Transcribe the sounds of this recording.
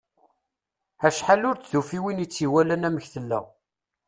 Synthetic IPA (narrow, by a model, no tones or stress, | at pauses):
æʃħalʊɾt͡sðufiwinit͡sːiwælænæməçθəlːæ̰